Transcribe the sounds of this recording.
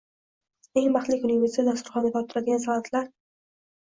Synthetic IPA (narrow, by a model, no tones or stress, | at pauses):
e̞ŋbaχlɪkʲʊnɪvesit̪ʰad̪ast̪ʊɾχɒnd̪at̪ʰɒpt̪ɪɾad̪ɪɡʲansɒat̪ʰlaɾ